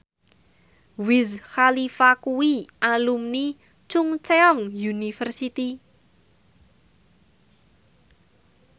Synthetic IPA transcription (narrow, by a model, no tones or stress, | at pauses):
wɪzxalifakuwiʔalumni | t͡ʃʊŋt͡ʃeɔŋjunifərsit̪i